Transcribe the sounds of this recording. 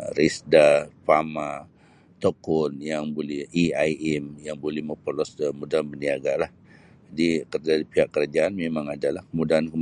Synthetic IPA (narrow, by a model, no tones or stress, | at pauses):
ɾisdapama | t̪okɔnjaŋbolɛhiajɛmjaŋbolɛhməpɔlɔsəmudaanbəniaɡalah | d͡ʒadikərd͡ʒadipiɦaʔkəɾad͡ʒaʔanmemaŋadalahkəmudaankəm